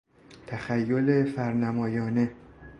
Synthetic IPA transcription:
t̪ʰæxæjːolefæɾnæmɒːjɒːne

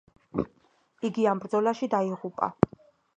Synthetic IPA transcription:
iɡiambɾd̪zɔlaʃid̪aiʁupʼa̰

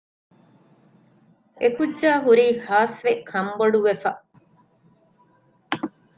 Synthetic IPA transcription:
ekudʒaːɦuɾiːhaːsʋekʰɐmboɖuʋefɐ

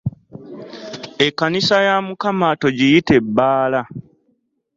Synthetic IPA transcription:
e̞kːanisajamukamaːto̞ɟijite̞bːaːla

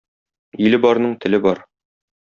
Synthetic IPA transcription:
ilɘbɒɾnɤɴt̪ɘ̆lɘbɒɾ

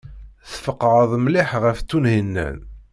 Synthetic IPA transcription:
θfəqːʕəðˤmlɪħʁəft͡s̪ːunhinːæ̰n

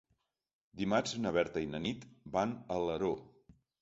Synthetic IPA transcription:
d̪imad͡ʒnəβɛɾt̪əinənit̪banələɾo

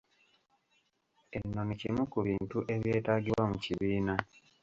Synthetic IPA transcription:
enːo̞nicimukuβiːntuʔe̞βje̞ːtaɡiwamuciβiːna

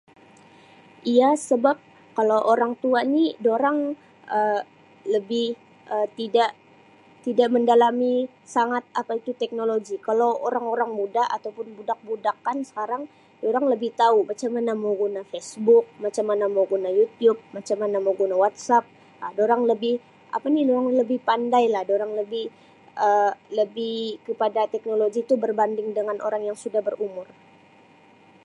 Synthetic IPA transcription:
ʔijasəbap̚ | kalawʔoɾaŋt̪uanidoɾaŋ | ʔə | ləbɪh | ət̪idaʔ | t̪idaʔməndalami | saŋat̪̚apait̪ut̪ɛk̚noloɡikalawoɾaŋoɾaŋmudaat̪awpʊnbudak̚budakansə̥kaɾaŋ | doɾaŋləbɪht̪aumat͡ʃamanamawɡunafesbʊk̚mat͡ʃamːanamowɡunajut̪jup̚mat͡ʃamːanamaɡunawat̪̚sap̚ | adoɾaŋləbɪh | ʔa̰panidoɾaŋləbɪhpandajlahdoɾaŋləbɪh | ʔələbɪhkəpadat̪ɛk̚noloɡit̪ubərbandɪŋdəŋanʔo̰ɾaŋjaŋsudahbərumʊr

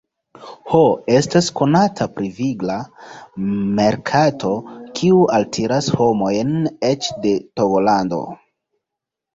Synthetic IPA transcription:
hoe̞stasko̞natʰapɾiviɡla | me̞ɾkʰatʰo̞kʰiuʔaltʰeɾasho̞mo̞jne̞t͡ʃde̞toɡolando̞̰

